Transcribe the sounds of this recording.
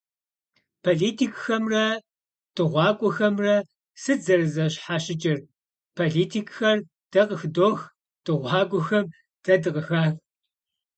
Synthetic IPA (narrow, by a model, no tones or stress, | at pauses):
pʰoːɮiːtʰiːkʼxɐmrɐ | d̥ɨʁʷɑːkʷʼʊxɐmrɐ | sɨd͡zɐrɨzɐɕħaːɕɪt͡ʃʼɪr | pʰoɮiːtʰiːkʼxɐr | d̥ɐqəxdoːx | d̥ɨʁʷɑːɡʷʼʊxɐm | d̥ɐdɨqəxaːx